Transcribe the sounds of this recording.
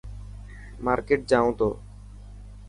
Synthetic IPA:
maːɾkeʈ̚d͡ʒaːõt̪oː

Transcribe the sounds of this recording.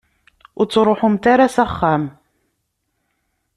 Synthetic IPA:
wt̪ɾuħʊmt̪aɾasaχːam

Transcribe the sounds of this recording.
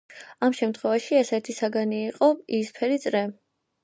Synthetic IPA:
amʃɛmt̪ʰχwɛvaʃiɛsɛt̪ʰisaɡaniːqʼɔispʰɛɾit̪sʼɾɛ

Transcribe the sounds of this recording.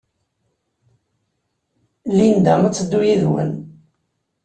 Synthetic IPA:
lind̪æmæt͡sːəd̪ːujiðwə̰n

